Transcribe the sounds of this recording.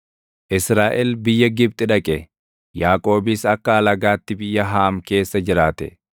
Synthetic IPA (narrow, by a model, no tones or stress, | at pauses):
ʔɪsɾaːʔɛlbɪjːɐɡɪb̚t̪ʼɪᶑɐkʼɛ | jaːkʼo̞ːbɪsɐkːɐɐlɐɡaːt̪ːɪbɪjːɐɦaːmke̞ːsːɐd͡ʒɪɾaːt̪ɛ